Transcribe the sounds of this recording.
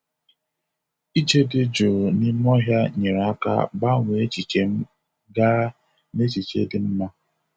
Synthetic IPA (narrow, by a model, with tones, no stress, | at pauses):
i˦t͡ʃe˦dɪ˦d͡ʒo˨ni˦m˦ɔ˦ɦja˦ɲe˨ɾa˦ka̰˦ba˦ŋʷe˨e˦t͡ʃi˨t͡ʃe˨m̩˦ | ɡa˦ɾ | ne˦t͡ʃi˨t͡ʃḛ˦dɪ˨m̩˦ma˦